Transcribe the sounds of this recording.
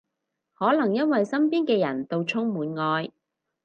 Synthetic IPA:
hɔː˨˥lɐ˨˩ŋjɐ˥nwɐ˨jsɐ˥mpiː˥nkɛː˧jɐ̰˨˩nt̪o˨˧wt͡ʃʰʊ˥ŋmuː˨˥nŋɔː˧j

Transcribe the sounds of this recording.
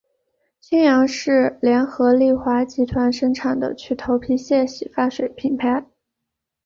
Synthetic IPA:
t͡ɕ̪ʰjɛ˥njɑ˧˥ŋʂɻ̩˥˩ljɛ˧˥nxɤ˧˥li˥˩xwa˧˥t͡ɕi˧˥t̪ʰwa˧˥nʂə˥ŋʈ͡ʂʰa˨˩ŋd̪ə̰˦t͡ɕʰy˥˩t̪ʰo˧˥ʊpʰi˧˥ɕjɛ˥˩ɕi˨˩fa˥ʂwe˨˩ɪpʰi˨˩npʰa˧˥ɪ

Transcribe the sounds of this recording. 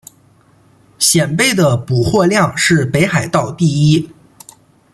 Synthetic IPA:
ɕjɛ˨˩npe˥˩ɪd̪ə˩pu˨˩xwɔ˥˧ljɑ˥˧ŋʂɻ̩˥˩pe˧˥ɪxa˨˩ɪt̪ɑ˥˧ʊt̪i˥˩i˥

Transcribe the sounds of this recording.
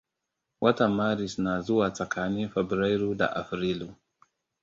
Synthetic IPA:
wʔa˦ta˨ma˦ɾi˨sna˨zu˦wa˨t͡sa˨kʰa˦ni˦fe˨bɾa˦jɾu˦da̰˨ʔa̰˨fɾi˦lu˨

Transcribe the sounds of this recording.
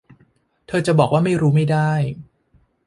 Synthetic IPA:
t̪ʰɤː˧t͡ɕa˨˩bɔː˨˩k̚waː˥˩ma˥˩jɾuː˦˥ma˥˩jda˥˩j

